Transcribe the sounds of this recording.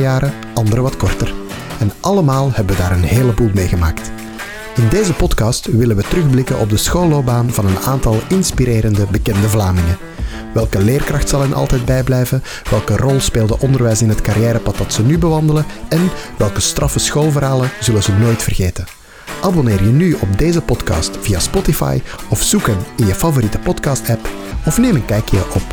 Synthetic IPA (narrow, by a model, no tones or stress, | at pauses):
jaːɾə | ʔɑndəɾəʋɑtkɔrtər | ɛnʔɑləmaːlˠhɛbəʋədaːɾənɦeːləbuːlˠmeːɣəmaːkt | ɪndeːzəpɔtkɑstʋɪlənʋətərɵɣblɪkənʔɔb̚dəsxoːlobaːnvɑnənaːntɑlˠɪnspiɾeːɾəndəbəkɛndəvlaːmɪŋən | ʋɛlˠkəleːrkrɑxtsɑlˠɛnʔɑ̰lˠtɛjd̚bɛjblɛjvə | ʋɛlˠkərɔlˠspeːlˠdəʔɔndərʋɛjsɪnɦətkaɾjɛːɾəpɑt̚dɑtsənybəʋɑndələɛnʋɛlˠkəstrɑfəsxoːlˠvərɦaːlənzɵlənzənoːjtfərɣeːtən | ʔabɔnɪːrjənyɔb̚deːzəpɔtkɑ̰ːstvijaspɔtifɑ̰jɔfsukənɪnjəfɑvoɾitə̥pɔtkɑstɛp | ɔfneːmənkɛjkəjə̰ʔɔp